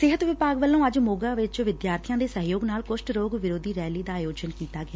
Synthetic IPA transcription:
sɪɦət̪ʋɪpaːɡʋəlːõːəd͡ʒmoːɡaːʋɪt͡ʃʋɪd̪jaːɾt̪ʰijãːd̪eːsəɦjoːɡnaːlkʊsʈɾoːɡʋɪɾoːd̪ʱiːɾɛːliːd̪aːjoːd͡ʒənkiːt̪aːɡɪjaː

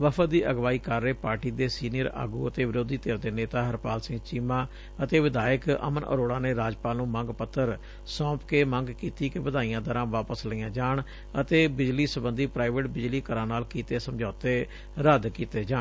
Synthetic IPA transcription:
ʋəpʰəd̪iːʔəɡʋaːiːkəɾːeːpaːɾʈiːd̪eːsiːnɪjəɾa̰ːɡuːət̪eːʋɪɾoːd̪iːt̪eːɾd̪eːneːt̪aːɦəɾpaːlsɪ̃ŋɡt͡ʃiːmãː | ət̪eːʋɪd̪aːjəkə̰mənʔə̰ɾoːɽaːneːɾaːd͡ʒpaːlnũːmə̃ŋɡpət̪ʰːəɾ | sɔ̃ːpkeːmə̃ŋɡkiːt̪iːkeʋəd̪aːijãːd̪əɾãːʋaːpəsləijãːd͡ʒaːɳ | ət̪eːbɪd͡ʒliːsəbənd̪iːpɾaːɪʋeːʈbɪd͡ʒliːkəɾãːnaːlkiːt̪eːsəmd͡ʒaːt̪eː | ɾəd̪kiːt̪eːd͡ʒaː

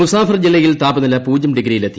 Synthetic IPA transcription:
usaːfɐrd͡ʑilːɐjilt̪aːbɐnɐlɐpuːd͡ʑɐmɖiɡɾijilet̪ːi

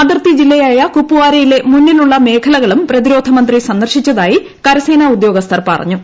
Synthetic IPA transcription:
ɐd̪ɐrt̪id͡ʑilːɐjaːjɐkupːuʋaːɾɐjile̞munːiluɭːɐme̞ːkʰɐlɐɣɐɭumprɐðiɾo̞ːd̪ʱɐmɐnd̪risɐnd̪ɐrɕit͡ɕːɐðaːji | kɐɾɐse̞ːnaud̪jo̞ːɡɐst̪ʰɐrpɐ̰rɐ̰ɲːu

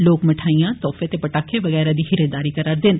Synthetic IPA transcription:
loːkməʈʰaːijãːt̪ɔːfet̪epəʈaːkʰːẽʋəɣɛːɾad̪iːhɪɾəd̪aːɾiːkəɾaːɾd̪ɪn

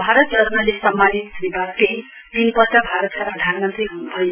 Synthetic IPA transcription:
bʱaɾʌt̪ʌɾunʌlesʌmːanit̪nibake | t̪inpʌt͡sʌbʱaɾʌt̪kaprʌd̪ʱanmʌnt̪riɦunubʱʌj

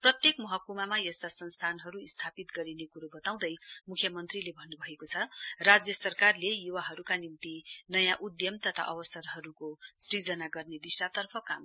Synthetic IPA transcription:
prʌt̪jekmʌɦʌkumamajʌst̪asʌnst̪ʰanɦʌɾuist̪ʰapit̪ɡʌɾinekuɾobʌt̪aw̃d̪ʌjmukʰjʌmʌnt̪rilebʱʌnːubʱʌekot͡sʰʌrad͡zjʌsʌrkarlejuwaɦʌɾukanint̪inʌjãʔud̪jʌmt̪ʌt̪ʰa̰ʔʌbʌsʌrɦʌɾukosrid͡zʌnaɡʌrned̪isʈat̪ʌrpʰʌka̰m

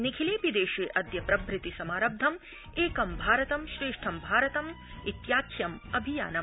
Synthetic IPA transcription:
nikʰileːpid̪eːʃeːʔɐd̪jɐpɾɐbʱɾɪt̪isɐmaːɾɐb̚d̪ʱɐm | eːkɐmbʱaːɾɐt̪ɐmʃɾeːʂʈʰɐmbʱaːɾɐt̪ɐm | it̪jaːkʰjɐmɐbʱija̰ːnɐm

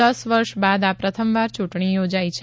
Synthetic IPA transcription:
əsʋəɾʃbad̪apɾət̪ʰəmʋaɾt͡ʃuʈɳ̃ijod͡ʒajt͡ʃʰ

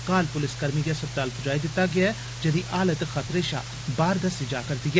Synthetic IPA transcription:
kaːlpʊlɪskɐɾmikasɐb̚t̪aːlpʊd͡ʒaːid̪ɪt̪ːaɡɪaɛ | d͡ʒɐd̪iʔaːlət̪xɐt̪ɾeːʃa̰ː | baːɾd̪əsd͡ʒaːkɐɾd̪iɡɛ

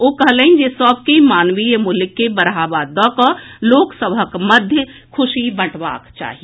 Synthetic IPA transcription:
okəɦləind͡ʒesəb̚kemaːnʋijmuləkːebəɾɦabad̪ɔ̃kɔloːksəbʱəkməd̪ʱjəkʰʊsibəʈʰba̰kt͡ʃa̰ːɦi

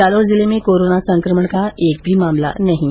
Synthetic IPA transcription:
alod͡zilemekoɾonasəŋkɾəməɳkaek̚bʱiːmamla̰naɦi

